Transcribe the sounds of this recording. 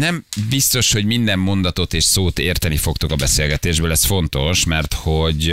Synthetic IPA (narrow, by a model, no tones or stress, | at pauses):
nɛmbist̪o̞ʃho̞ɟmind̪ɛmːo̞nd̪ɒt̪o̞t̪eːʃsoːt̪eːrt̪ɛnifo̞kt̪okɒbɛseːlɡɛt̪eːʒbøːlɛsfo̞nt̪o̞ʃmɛrt̪hoɟ